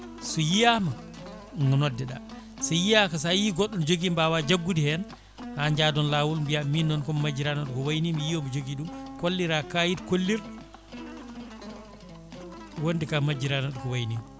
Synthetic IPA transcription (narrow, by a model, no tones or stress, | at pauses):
sɔjijama | ŋɔnɔdːɛɗa̰ | sɔjijakas̬ajiɡɔɗːɔnd͡ʒoɡimbawad͡ʒaɡːudihɛn | haɲd͡ʒadɔnlaːwulmbijaminːɔnkɔmmad͡ʒiɾanaɗkɔwajnimjijɔmɔd͡ʒoɡiɗumkolːiɾakajidkolːiɾ | wondikamad͡ʒiɾanaɗkɔwajnim